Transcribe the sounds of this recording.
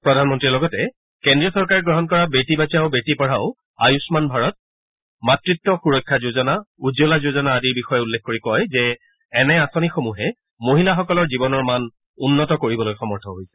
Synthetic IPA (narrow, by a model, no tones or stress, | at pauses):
pɹɔdʱanmɔntɹiɹlɔɡɔtɛ | kendɹiɔsɔɹkaɹɡɹɔɦɔnkɔɹabetibazaʊbetipɔɹaʊ | ajusmanbʱaɹɔt̚ | matɹitːɔxuɹɔkʰːazozɔnaud͡ʒolazozɔnaːdiɹbixɔjɛulːɛkʰkoɹikɔjzɛː | nɛasɔnixomuɦɛ | moɦilaxɔkɔlɔɹzibɔnɔɹman | unːɔtɔkoɹibɔlojxɔmɔɹtʰɔɦojsɛ̥